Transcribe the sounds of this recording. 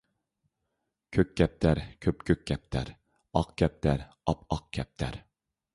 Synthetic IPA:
kʲʰøk̚ʲːɛp̚t̪ʰæɾkʲʰøpkʲʰøk̚ʲɡʲɛp̚t̪ʰæ̰ɾ | ɑqkʲʰɛp̚t̪ʰæɾ | ɑpɑq̚kʲʰɛp̚t̪ʰæ̰ɾ

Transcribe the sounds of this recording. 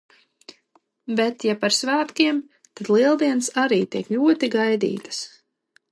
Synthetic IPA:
bet̪japaɾsvæːt̪kiɛm | t̪ad̪̥lˠiɛlˠd̪iɛnsaɾiːt̪iɛklʲuɔt̪iɡajd̪ḭːt̪ḁs

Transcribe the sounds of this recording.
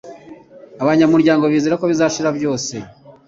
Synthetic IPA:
aβaɲamuɾɟaːŋɡo̞βiːziɾakoβizaʃiɾaβjo̞ːse̞

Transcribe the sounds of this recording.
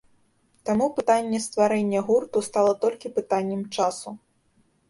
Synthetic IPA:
t̪amupɨt̪anʲːɛst̪vaɾɛnʲːɛɣurt̪ust̪alˠɐt̪ɔlʲkʲipɨt̪anʲːɛmt͡ʂasu

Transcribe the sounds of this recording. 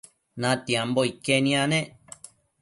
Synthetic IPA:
nãt̪iãmboikenĩãnẽ

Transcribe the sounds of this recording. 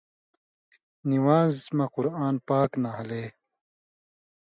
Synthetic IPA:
niwaːzmɐquɾaːnpaːknaɦɐleː

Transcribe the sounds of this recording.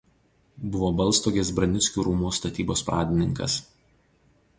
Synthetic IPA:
bʊʋoːbɐlˠˑst̪oːɡʲesbɾɐnʲɪtsʲkʲuːɾumuːst̪ɐt̪ʲiːboːspɾɑ̰ːd̪ʲɪnʲɪŋkɐ̰s

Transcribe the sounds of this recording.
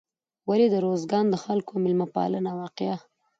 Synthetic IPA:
waled̪əɾozɡɑnd̪əxalkomɪlmapɑ̰lənawɑqɪja

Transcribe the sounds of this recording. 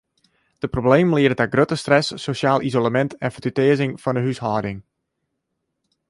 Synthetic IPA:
d̥əprobleːməlɪədətaɡrøtəstrɛsːoʃjaːlˠʔizolamɛntɛnfərtytɪəzɪŋfɑndəɦyshɔːdɪŋ

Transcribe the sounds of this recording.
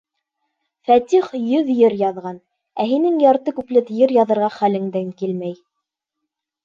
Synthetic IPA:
fæt̪iχjɵðjɘɾjɑðʁɑn | æɦinɘŋjɑɾt̪ɤkʉplɘt̪jɘɾjɑðɤ̆ɾʁɑχælɘ̆ŋd̪æŋkilmæj

